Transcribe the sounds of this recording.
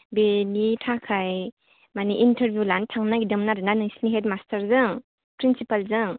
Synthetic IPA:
benitʰakʰaj | maniʔintʰəɾbjulantʰaŋnaɡidɯmnaɾɯnanɯŋsiniɦetmastʰəɾzɯŋ | pɾinsipalzɯŋ

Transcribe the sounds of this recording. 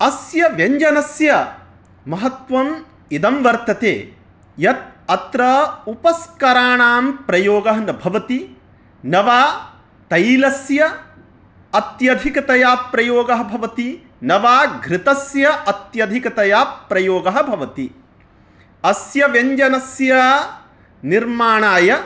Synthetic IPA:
ɐsjɐʋjeɲd͡ʒɐnɐsjɐ | mɐɦɐt̪ʋɐm | id̪ɐmʋɐɾt̪ɐt̪ḛː | jɐt̪̚ɐt̪ɾɐupɐskɐɾaːɳaːmpɾɐjoːɡɐɦnɐbʱɐʋɐt̪i | nɐʋaː | t̪ɐjlɐsjɐ | ɐt̪jɐd̪ʱikɐt̪ɐjaːpɾɐjoːɡɐɦɐ̆bʱɐʋɐt̪i | nɐʋaːɡʱɾɪt̪ɐsjɐʔɐt̪jɐd̪ʱikɐt̪ɐjaːpɾɐjoːɡɐɦɐ̆bʱɐʋɐt̪i | ɐsjɐʋeɲd͡ʒɐnɐsjɐ | niɾmaːɳaːjɐ

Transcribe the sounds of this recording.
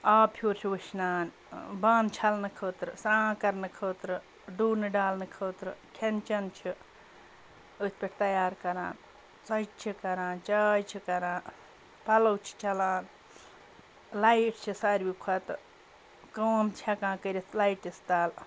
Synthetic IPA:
aːpʰjuːɾt͡ʃʰiʋɨʃnaːn | bãːnt͡ʃʰɐlnɨkʰoːt̪ɾɨsãːkɐɾnɨkʰoːt̪ɾɨ | ɖuːɾnɨɖaːlnɨkʰoːt̪ɾɨkʰent͡ʃɐnt͡ʃʰi | ət̪̚ʰpʲeʈʰʲt̪ɐjaːɾkɐɾa̰ːn | t͡sɐjt͡ʃt͡ʃʰikɐɾãːnt͡ʃaːjt͡ʃʰikɐɾãːn | pɐlɐwt͡ʃʰi̥t͡ʃɐlaːn | lɐiʈt͡ʃʰisaɾʲbikʰɐt̪ɨ | koːnt̪ʰɐkãːkəɾʲit̪ʰlɐiʈist̪aːl

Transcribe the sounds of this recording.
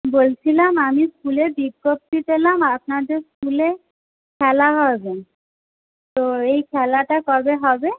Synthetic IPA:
bolt͡ɕʰilamamiskulebiɡːop̚t̪itelamapnaɾd̪eskule | kʰɛlaɦɔeben | t̪oejkʰɛlaʈakɔɹbeɦɔbe

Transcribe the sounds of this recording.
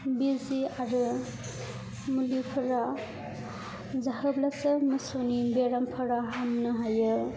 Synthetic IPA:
biziaɾɯ | mulupʰɯɾa | zahɯblasɯmɯsonibeɾampʰɯɾaɦamnɯɦajɯ

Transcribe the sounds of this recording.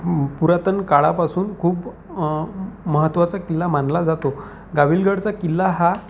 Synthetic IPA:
puɾat̪ənkaɭapasuːnkʰuːp | məɦət̪ːʋat͡sakilːamanlad͡zat̪o | ɡaʋilɡaɽt͡sakilːaɦa

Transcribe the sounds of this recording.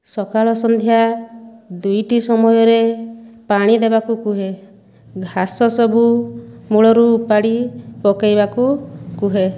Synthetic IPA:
sɔkaɭɔsɔnd̪ʱja | d̪ujʈisɔmɔjɔɾepaɽ̃id̪ebakukuɦe | ɡʱasɔsɔbʱumuɭɔɾuːpaɽipɔkajbakukuɦe

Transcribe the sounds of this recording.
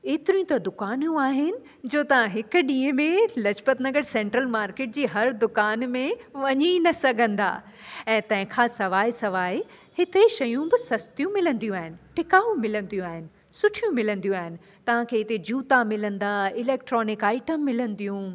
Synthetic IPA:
eːt̪ɪɾĩt̪ɐd̪ʊkaːnjũaːɦɪnɪ̆ | d͡ʑoːt̪ɐʋ̤ãɦɪkʊ̆ɗĩːə̃mẽlɐd͡ʑpət̪nɐɡəɽsɛ̃ːɳʈɾəlmaːɾkeːʈ̚d͡ʑiːɦɐɾd̪ʊkaːnmẽʋɐɲinɐsɐɡʱə̃nd̪a̰ː | ɛ̃ːt̪ɐ̃ɦɪ̃kʰãsɐʋaːisɐʋaːi | hɪt̪eʃɐjũbɪsɐst̪ijũmɪlə̃nd̪ijũaːɦɪnɪ̆ʈʰɪkaːumɪlə̃n̆d̪ijũaːɦɪnɪ̆sʊʈʰijũmɪlə̃nd̪ijũaːɦɪnɪ̆ | t̪ɐʋ̤ãkʰeːɪt̪ed͡ʑuːt̪amɪlə̃nd̪aːɪleːk̚ʈɾɔːnɪkaːɪʈəmːɪlə̃n̆d̪ijũ

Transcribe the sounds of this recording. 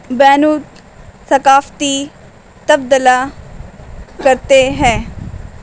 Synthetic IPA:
bɛːnuːt̪ | səkaːft̪iː | t̪əb̚d̪əlaː | kəɾt̪eɦɛ̃ː

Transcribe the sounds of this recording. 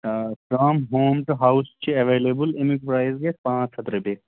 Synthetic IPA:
saːmɦoːmʈuɦawst͡ʃʰiɐʋeːleːbəlemikpɾaːizɡeʈpãːt͡ʃʰɐt̪ɾebeː

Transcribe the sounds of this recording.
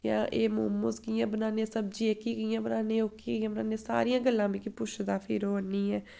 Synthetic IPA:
jã̰ːʔeːmuːmõːskɪjãːbənaːnẽsəbd͡ʒiːeːkiːkijãːbənaːneːoːkiːɡiːãːbənaːnẽsa̰ːɾiːãːɡəlːãːbiːkɪpʊʃd̪aːpʰɪɾoːənːĩːɛː

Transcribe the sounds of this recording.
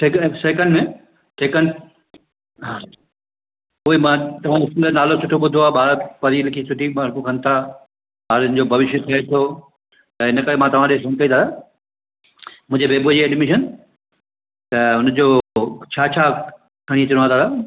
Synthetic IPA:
ʈʰeksekənmẽ | ʈʰeːkən | ɦã | ʊɦemãt̪ɐʋ̤ãːɪskulənaːlot͡ɕʰʊʈʰoɓʊd̪ʱoaːɓaːɾpɐɾilɪkʰisʰʊʈʰiɓaɾkukʰɐ̃nɪt̪ʰa | ɓaːɾʊnɪ̆d͡ʑoːbʱɐʋɪʃjot̪ʰɐet̪ʰoː | t̪ɐɪnə̆kəɾemãt̪ɐʋ̤ãɗeɡɐ̃nkɐĩd̪ʰaːt̪ʰaː | mʊ̃ɦd͡ʑebeːbud͡ʑiɛɖmɪʃən | t̪ɐʊn̆d͡ʑoːt͡ɕʰaːt͡ɕʰaː | kʰɐɽ̃it̪ɪɽ̃ãːt̪ʰaːt̪ʰaː

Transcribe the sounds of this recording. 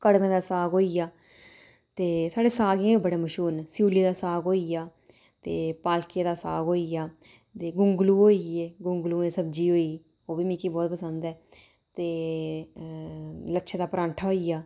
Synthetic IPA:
kəɽmẽːd̪aːsaːɡoːiːjaː | t̪eːsaːɖeːsaːɡãːʋiːbəɽaːməʃuːnːsjuːliːd̪aːsaːɡɦoːijaː | t̪eːpaːlkẽːd̪aːsa̰ːɡɦoːiːjaː | t̪eːɡʊŋɡluːɦoːieːɡʊŋɡluːẽːsəb̚d͡ʒiːɦoːiː | oːʋiːmiːkiːbɔːt̪̚pəsənd̪ɛː | t̪eː | ləkʃʰẽːd̪aːpɾãːɳʈʰaɦoːiːaː

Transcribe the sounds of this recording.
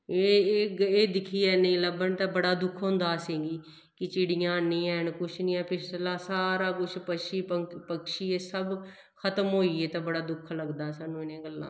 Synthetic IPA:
e | eːd̪ɪkʰiːɛːnĩːləbənt̪ãːbəɽaːd̪ʊkʰɦʊ̃ːnd̪aːsẽːɡiː | kɪt͡ʃiɽɪjãːnĩːɛːnkʊt͡ʃʰnĩːɛːpɪslaːsaːɾaːkʊt͡ʃʰpəʃiːpəpəkʃiːeːsəb | kʰət̪əmɦoːiːeːt̪ãːbəɽaːd̪ʊkʰːləɡd̪aːsaːnːũːɪnẽːɡəlːã̰ː

